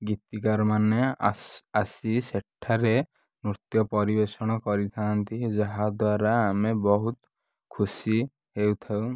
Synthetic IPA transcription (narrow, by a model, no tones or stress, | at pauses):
ɡit̪ikaɾmane | asiseʈʰːaɾe | mɾit̪jɔpɔɾibesɔɽ̃ɔkɔɾit̪ʰant̪id͡ʒaɦad̪waɾaːmebɔɦut̪ | kʰusi | ɦewt̪ʰaw